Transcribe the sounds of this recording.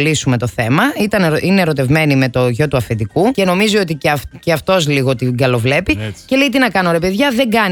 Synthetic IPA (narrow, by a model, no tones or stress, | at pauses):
lisume̞t̪o̞θe̞mɐit̪ɐnʔineɾo̞t̪e̞vme̞nime̞t̪o̞ʝo̞t̪uɐfed̪ikuce̞no̞mizio̞t̪icceɐft̪o̞zliɣo̞t̪iɡɐlo̞vle̞pice̞leit̪inɐkɐno̞ɾe̞pe̞ðʝɐðe̞ŋɡɐn